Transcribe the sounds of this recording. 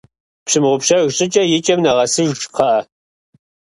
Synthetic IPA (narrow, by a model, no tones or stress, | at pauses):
pɕɨmʁʷʊpɕɐɣɕʼɪt͡ʃʼɐjɪt͡ʃʼɐmnɐʁɐsɨʒt͡ʃʼqʰɐʔɐ